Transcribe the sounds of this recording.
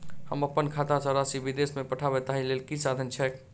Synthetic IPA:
həməpːənkʰat̪asəɾasibid̪esmepəʈʰaβɛt̪aɦĩlelkisad̪ʱənt͡ʃʰɛk

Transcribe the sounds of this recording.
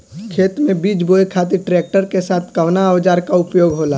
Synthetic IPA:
kʰeːt̪mẽbiːd͡ʒboːekʰaːt̪̬iʈɾeːk̚ʈəɾkesaːt̪ʰkɐʋnaʋd͡ʒaːɾkaʊpjoːɡɦoːla

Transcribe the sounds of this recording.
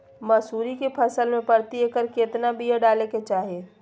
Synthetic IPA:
mɐsuːɾikepʰɐsəlmẽpɐɾt̪iekəɾket̪nabʱijeɖaːleket͡ʃaːɦieː

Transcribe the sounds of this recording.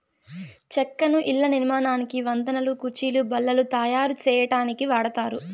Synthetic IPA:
t͡ʃɛkːɐnuʔilːɐniɾmaːnaːnikiʋɐnd̪ɐnɐlukuɾt͡ʃiːlubɐlːɐlut̪ɐːjaːɾut͡ʃɛːjɐʈaːnikiʋaːɽɐt̪aːɾu

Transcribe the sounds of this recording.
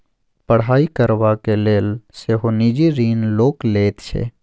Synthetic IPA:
pəɽ̤aːikəɾʋakeleːlseɦoniːd͡ʒiɾiːnloːkleːt̪t͡ʃʰḛː

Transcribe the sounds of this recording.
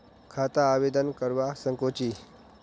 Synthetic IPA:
kʰat̪aːʋed̪ənkəɾʋasəŋkot͡ɕiː

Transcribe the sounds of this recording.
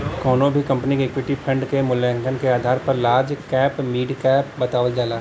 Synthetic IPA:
kɔːnõbʱikɐ̃mpənikeːkwɪʈipʰə̃ɳɖkemʊlɛ̃ːŋɡənkeaːd̪ʱaːɾpɐɾlaːɾd͡ʒkɛːpmiːɖkɛːpbɐt̪aːʋəld͡ʒaːlaː

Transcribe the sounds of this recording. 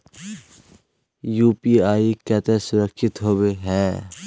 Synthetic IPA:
juːpiaːikɛːt̪esʊɾəkʃɪt̪ɦoːweɦɛː

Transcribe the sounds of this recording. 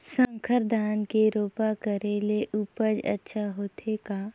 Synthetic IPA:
sə̃ŋkʰəɾd̪ʱaːnkeɾoːpakəɾeleʔupəd͡ʒə̰tːʃʰaɦoːt̪ʰekaː

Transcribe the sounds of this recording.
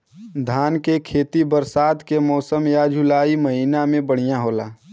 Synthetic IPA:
d̪ʱaːnkekʰeːt̪ibəɾsaːt̪kemɔːsəmjad͡ʒʱulaːiməɦiːnamẽbəɽ̤ijaɦoːla̰ː

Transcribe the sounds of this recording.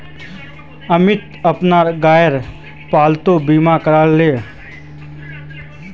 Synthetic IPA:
əmɪt̪ | əpnaːɾɡaːjəɾ | paːlt̪obiːmakəɾalːeː

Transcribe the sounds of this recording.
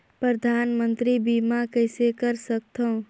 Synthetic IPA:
pɾəd̪ʱaːnmənt̪ɾibimakəɪsekəɾsək̚t̪ʰə̃

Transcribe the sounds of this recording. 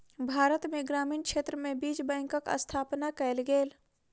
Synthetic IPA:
bʱaːɾət̪mẽɡɾaːmiːnkʃeːt̪ɾəmẽbiːd͡ʒbɛ̃ːŋkəkə̰st̪ʰaːpnakəlɡeːl

